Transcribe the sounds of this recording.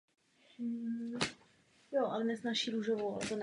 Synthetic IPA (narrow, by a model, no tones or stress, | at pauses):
joʔalɛnɛznaːʃiːɾuʒovowa̰lɛ̰t̪on